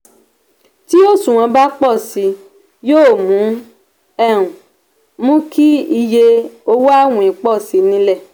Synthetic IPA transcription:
ti˦o˦˨sũ˨w̃ã˧ba˦k͡pɔ˦˨si˧˦ | joː˦˨mũ˨˦ | ɛ˦˨ɾ̃ũ˨ | mũ˦kʰi˦i˧je˧o˧˦wa˦˨wũ˨ĩ˨k͡pɔ˦˨si˨˧˦nĩ˧lɛ˦˨

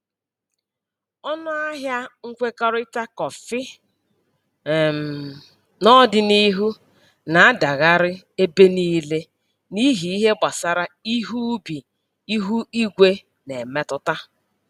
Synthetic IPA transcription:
ɔ˦nʊ˦a˦ɦja˦ŋ̩˦kʷe˦ka˦ɾʊ˦ɪ˦ta˦kɔ˨fɪ˦˨ | m˨ | nɔ˦dɪ˨ni˦ɦu˦ | na˨˦da˨ɣa˦ɾɪ˦ | e˦be˦ni˦le˦ | ni˦ɦi˨i˦ɦe˦ɡ͡ba˨sa˨ɾa˦i˦ɦu˦bi˨ | i˦ɦu˦i˦ɡʷe˦ | ne˨me˦tʊ˦ta˦

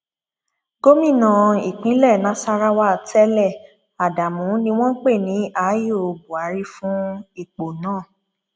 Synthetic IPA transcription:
ɡo˦mĩ˦˨nã˨i˨k͡pĩ˨˦lɛ˦˨nã˨˦sa˧ɾa˦wa˦˧˨tʰɛ˦lɛ˦˨ | a˨da˨mũ˨˦nĩ˦w̃ɔ̃˦k͡pe˦˨nĩ˨˦ʔa˨˦jo˦˨o˧bu˨a˨˦ɾi˦fũ˦i˦˨k͡po˨nãː˦˨

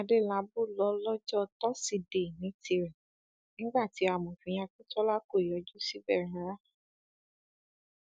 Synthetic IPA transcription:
a˧de˦˨la˨˦bo˦˨lɔ˧˦lɔ˦d͡ʒɔ˦˧tɔ˦si˦˨de˨nĩ˨˦ti˧ɾɛ̃˨ | nĩ˦ɡ͡ba˦˨ti˨˦a˧˨mɔ̃˨fĩ˨j̃ã˧ku˦tɔ˦la˦ko˦˨i˨jɔ˨˧˦d͡ʒu˦si˦bɛ˦˨ɾã˨˦ɾa˦

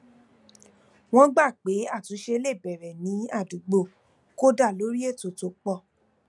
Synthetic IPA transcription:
w̃ɔ̃˦ɡ͡ba˦˨k͡pe˨˦a˦˨tũ˨˦ʃe˧le˦˨bɛ˨ɾɛ˨nĩ˨˦a˦˨du˨˦ɡ͡bo˦˨ | ko˦da˦˨lo˨˦ɾi˦e˦˨to˨to˨˦k͡pɔ˦˨

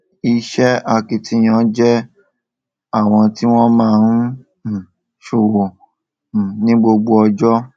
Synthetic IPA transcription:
i˧ʃɛ˦a˧ki˧ti˨˧˦j̃ã˧˦d͡ʒɛ˦ | a˦˨w̃ɔ̃˧ti˦w̃ɔ̃˦mãː˦˧nũ˦˨ | ʃo˨wɔ̃˨ | nĩ˦ɡ͡bo˧ɡ͡bo˧ɔ˧d͡ʒɔ˦

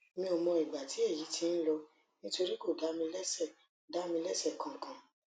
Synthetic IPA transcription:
mĩ˧o˨mɔ̃˧i˨ɡ͡ba˨ti˨˦e˦˨ji˨˦ti˧n̩˦lɔ˧ | nĩ˦to˧ɾi˦ko˦˨da˨˦mĩ˧lɛ˦sɛ˦˨ | da˨˦mĩ˧lɛ˦sɛ˦˨kã˨kã˨

